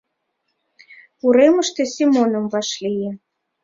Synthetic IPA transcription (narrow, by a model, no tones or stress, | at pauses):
uɾeməʃt̪ĕsʲimonə̆mvɑʃlijĕ